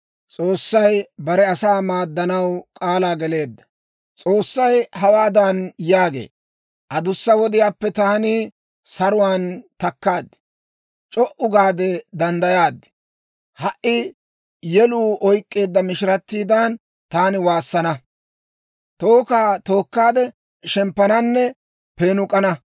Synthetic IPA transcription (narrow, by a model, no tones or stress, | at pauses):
t͡sʼo̞ːsːɐjbɐɾɛɐsaːmaːd̪ːɐnɐwkʼaːlaːɡɛle̞ːd̪ːɐ̥ | t͡sʼo̞ːsːɐjhɐwaːd̪ɐnjaːɡḛː | ʔɐd̪ʊsːɐwɔd̪ɪjaːpːɛt̪aːnɪ | sɐɾʊwaːnt̪ɐkːaːd̪ːɪ̥ | t͡ʃʼɔʔʊɡaːd̪ɛd̪ɐnd̪ɐjaːd̪ːɪ̥ | hɐʔɪ | jɛluːʔɔjkʼːe̞ːd̪ːɐmɪʃɪɾɐt̪ːiːd̪aːn | t̪aːnɪwaːsːɐnɐ | t̪o̞ːkaːt̪o̞ːkːaːd̪ɛ | ʃɛmpːɐnɐnːɛ | pe̞ːnʊkʼɐnɐ